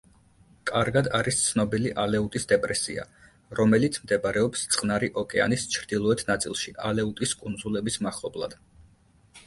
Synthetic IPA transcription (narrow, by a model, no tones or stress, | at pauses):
kʼaɾɡad̪aɾist̪sʰnɔbiliʔalɛut̪ʼisd̪ɛpʼɾɛsḭa̰ | ɾɔmɛlit̪sʰmd̪ɛbaɾɛɔpst̪sʼqʼnaɾiʔɔkʼɛa̰nist͡ʃʰɾd̪ilˠɔɛt̪ʰnat̪sʼḭlˠʃiʔalɛut̪ʼiskʼund̪zulɛbismaχlˠɔblˠa̰d̪̥